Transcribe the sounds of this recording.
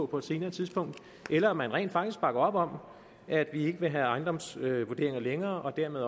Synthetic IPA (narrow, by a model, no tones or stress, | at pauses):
ɔ̽pʰɒ̽e̝d̥se̝ːnɐːt͡sʰiðˠsb̥ɔ̽ŋ̰d̥ | ʔelɐɒmænʁɛ̰nd̥fɑ̈ɡ̥d̥isɡ̥b̥ɑ̈ɡ̥ɐɒ̽b̥ɒ̽m̰ | ʔæd̥ʋie̝ɡ̥əʋe̝ɦæɑ̈ɪnd̥ɒ̽msøʋuɐde̝ɐe̝ŋɐleŋɐːʔɒ̽d̥æɐ̰meðˠ